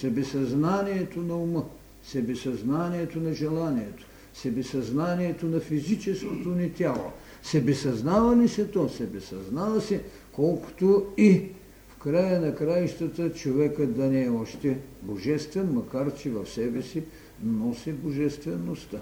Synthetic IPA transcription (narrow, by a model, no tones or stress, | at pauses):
sɛbɛsɐznaniɛt̪onɐumə | sɛbɛsɐznaniɛt̪onɐʒɛlˠaniɛt̪o̥ | sɛbɛsɐznaniɛt̪onɐfizit͡ʃɛskot̪onit̪ʲalˠo̰ | sɛbɛsɐznavɐlisɛt̪ɔsɛbɛsɐznavɐsɛ | kɔlˠko̥t̪oi | fkɾajənɐkɾaiʃt̪ət̪ət͡ʃovɛkəd̪ɐnɛːɔʃt̪ɛboʒɛst̪vɛnmɐkaɾt͡ʃɛvɐfsɛbɛsi | nɔsiboʒɛst̪vɛnost̪a